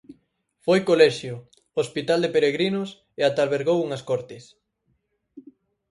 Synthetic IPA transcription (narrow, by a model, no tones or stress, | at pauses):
fojkolɛʃjʊ | ospit̪ald̪epeɾeɣɾinʊs | eat̪alβeɾɣowuŋɐskɔɾt̪ɪs